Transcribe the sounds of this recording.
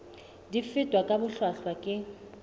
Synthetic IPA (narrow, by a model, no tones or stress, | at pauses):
difɪtʼwakʼabʊɬwaɬwakʼɪ